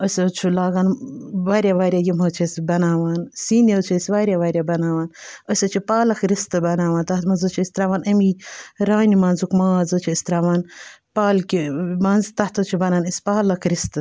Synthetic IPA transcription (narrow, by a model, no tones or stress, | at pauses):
əsʲɐt͡ʃʰulaːɡaːnʋaːɾʲjaːʋaːɾʲjaːjimɐːt͡ʃʰesʲbɐnaːʋaːnsiːnet͡ʃʰːsʲʋaːɾʲjaʋaːɾʲjabɐnaːʋaːnəsʲɐt͡ʃʰipaːlɐkɾist̪ɨbɐnaːʋaːnt̪ɐt̪mɐnzɨt͡ʃʰiist̪ɾaːʋaːnɐmiɾaːnimɐnzukmaːzɨt͡ʃʰiist̪ɾaːʋaːnpaːlkimanzt̪ɐht̪ʰɐt͡ʃʰubɐnaːnɐsʲpaːlɐkʰɾist̪ɨ